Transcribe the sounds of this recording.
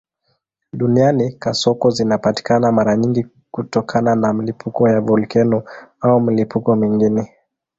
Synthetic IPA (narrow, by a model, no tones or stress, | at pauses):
ɗunianikasɔkɔzinapati̥kanamaɾaɲiŋɡi | kutɔkʰananamilipʰukɔjavɔlkɛnuaumilipukɔmiŋɡinɛ